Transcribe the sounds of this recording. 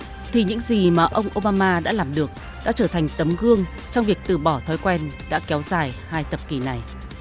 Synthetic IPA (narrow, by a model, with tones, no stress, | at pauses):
t̪ʰi˨˩ɲɨ̰˧˥ŋzi˨˩maː˨˩ʔə˧wŋ͡mʔo˧ɓaː˧maː˧ɗa̰ː˧˥laː˨˩mɗɨ˨˩ək̚ | ɗa̰ː˧˥t͡ɕəː˧˩t̪ʰa˨˩jŋ̟t̪ə˨˦mɣɨ˧əŋ | t͡ɕɔ˧wŋ͡mvi˨˩ək̚t̪ɨ˨˩ɓɔ˧˩t̪ʰɔ˨˦jkwɛ˧nɗa̰ː˧˥kɛ˨˦wzaː˨˩jhaː˧jt̪ə˨˩p̚ki˨˩na˨˩j